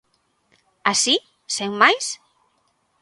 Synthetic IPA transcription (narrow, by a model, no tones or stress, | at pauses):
asi | sewmːajs